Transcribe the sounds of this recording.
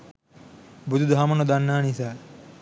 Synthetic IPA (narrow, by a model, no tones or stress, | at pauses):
bud̪ʱud̪ʱamɐnod̪anːaːnisaː